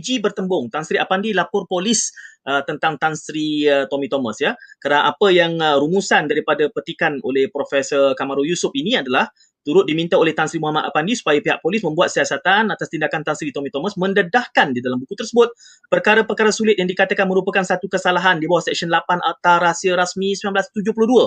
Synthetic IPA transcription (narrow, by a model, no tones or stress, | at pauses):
d͡ʒibərt̪əmbʊŋt̪ansɾiapandilapʊrpolɪsət̪ənt̪aŋt̪ansɾiət̪omĩt̪omasjakaɾənaʔapəjaŋɾumusandaɾipadapərt̪ikano̰lɛhpɾofɛsərkamaɾojusʊp̚inĩadalah | t̪uɾʊt̪̚dimĩnt̪aolɛht̪ansɾimuɦamat̪apandisu̥pajapiɦa̰ʔpolɪsmə̃mbuat̪̚siasat̪anat̪ast̪indakant̪ansɾit̪omĩt̪omasmə̃ndədahkandidalambukut̪ərsəbʊt̪̚ | pərkaɾəpərkaɾasulɪt̪̚jaŋdikat̪əkanmə̃ɾupəkansat̪ukəsalaɦandibawahsɛk̚sənlapanʔa̰t̪aɾasiəɾasmĩsimilamblast̪ud͡ʒʊhpulʊduə